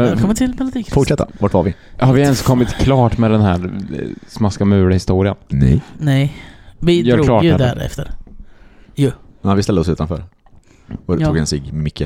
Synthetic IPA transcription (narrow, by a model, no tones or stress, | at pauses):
mɛkʰɔmːət̪ʰɪlmɛlʊd̪iːkfʊʈʂɛt̪ːa̰vaʈvaɾvɪhaɾvɪɛnskʰɔmːɪt̪kʰlɑːʈmɛd̪ɛnɦæːɾsmaskamʉ̟ːɾahɪst̪uːɾɪənnɛ̰jnɛjvɪjœːɾklɑːd̪æɾɛ̰ft̪əɾ | jʊmnanvɪst̪ɛld̪əɔsʉ̟ːt̪anfœ̰ːɾ | ɔt̪ːuːɡɛnsɪɡmʏkːə